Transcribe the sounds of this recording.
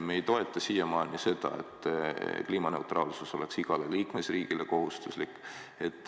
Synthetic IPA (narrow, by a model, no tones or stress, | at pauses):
me̞jt̪o̞e̞t̪ˑːɑsijɑmɑːlnise̞d̪̥ɑ̰e̞̰t̪ːˑkliːmɑne̞ut̪rɑːlsuso̞le̞ksiɡ̥ɑle̞liːkmesriːɡ̥ile̞ko̞ɦust̪uslikːˑ | e̞t̪ːˑ